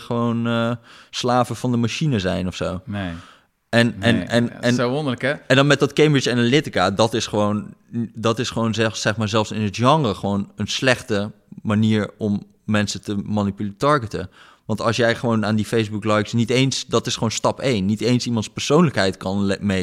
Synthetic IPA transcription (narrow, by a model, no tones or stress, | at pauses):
χəʋonəslaːvəvɑndəmaʃinəzɛjnɔfsown | ʔɛnɛnɛnɛnɔndələkɛɛndnmɛt̚dɑtkemɹət͡ʃɛnəlɪtɪkaːdɑtɪsχəʋowndɑtɪsχəʋownzɛsɛχmaːɹzɛlˠfsɪnətʒɑŋrəχəʋownənslɛχtə | maniːɹɔmː | ɛnsətəmanipylitɑɹɡətə | ʋɑntɑlˠsjɛjχəʋownaːndifejzbuklɑjksnitejnsdɑtɪsχəʋownstɑpejnːitejnsimɑntspəɹsownləkɦɛjtkɑnmej